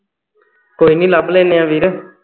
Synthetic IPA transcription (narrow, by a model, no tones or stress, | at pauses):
koːiːnĩːlableːneãːʋiɾ